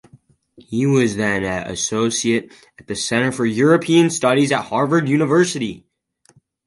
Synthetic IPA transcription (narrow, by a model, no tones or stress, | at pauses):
hiwʌzðɨ̃nɨ̰soʊsieɪɾ | ɨt̪̚ðɨsɛ̃ɾ̃ə˞fə˞jʊɹɨpʰiɨ̃nstʌɾizɨt̚hɑɹvə˞djʉnəvɜ˞sɨɾi